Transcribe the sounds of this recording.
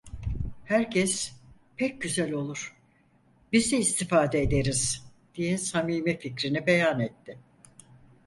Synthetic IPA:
hæɾcʰɛs | pʰɛc̚ɟyzælʲo̞lˠuɾ̥ | bizɛːst̪ʰifaːd̪ɛːd̪eɾiz̥ | d̪̥ijɛsamiːmificɾinibejanɛt̪ʰːɪ

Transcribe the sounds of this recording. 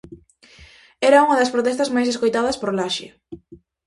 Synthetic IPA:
ɛɾɐuŋɐðɐspɾot̪ɛst̪ɐzmajs̬eskojt̪aðɐspoɾlaʃɪ̰

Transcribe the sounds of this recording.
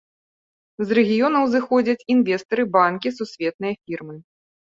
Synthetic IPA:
zrɛɣʲijɔnɐwzɨxɔd͡zʲɐt͡sʲinvʲɛst̪ɐɾɨbankʲisusʲvʲɛt̪̚nɨjɐfʲirmɨ

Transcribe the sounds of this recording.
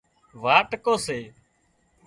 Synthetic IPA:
ʋaːʈkoːseː

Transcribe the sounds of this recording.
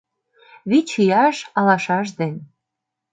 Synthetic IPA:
βit͡ɕijɑʃɑlɑʃɑʃ̬d̪en

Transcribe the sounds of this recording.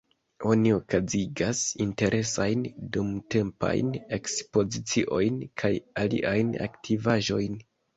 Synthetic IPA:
o̞nio̞kaziɡasinte̞ɾʔe̞sajndumte̞mpa̰jne̞kspo̞zit͡siʔo̞jnkʰajalḭʔajna̰ktʰivaʒo̞jn

